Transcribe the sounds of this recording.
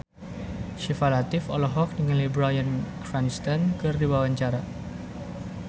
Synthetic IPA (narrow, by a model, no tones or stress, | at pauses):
ʃifalat̪ɪfɔlɔɦɔk̚nəŋanlibɾajənafɡ̥anist̪ankɨrdiwawaɲt͡ʃaɾa